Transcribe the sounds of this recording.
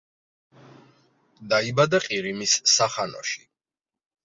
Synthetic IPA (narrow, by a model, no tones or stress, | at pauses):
d̪aibad̪aqʼiɾimisːaχanɔ̰ʃi̥